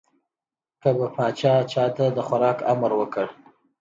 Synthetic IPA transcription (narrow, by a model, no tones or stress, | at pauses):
kəbapɑt͡ʃɑt͡ʃɑt̪ad̪əxaɾɑka̰mɾwəkəɽ